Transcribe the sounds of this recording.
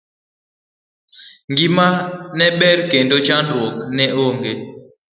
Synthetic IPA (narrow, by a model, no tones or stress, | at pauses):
ŋɡimanɛɓɛɾkɛndot͡ʃandwɔk̚nɛʔoŋɡe